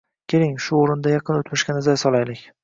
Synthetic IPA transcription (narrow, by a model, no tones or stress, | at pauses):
kʲʰe̞ɾɪŋʃʊoɾɪnd̪ajɑqʰɨnot̪mɪʃkʲanɪzajsɒlˠajlɪkʲ